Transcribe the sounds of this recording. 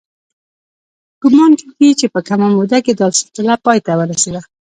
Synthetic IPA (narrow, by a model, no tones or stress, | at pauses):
kʊmɑnkikit͡ʃepəkamamod̪aked̪ɑlsɪ̥tɪlapɑjt̪awəɾased̪a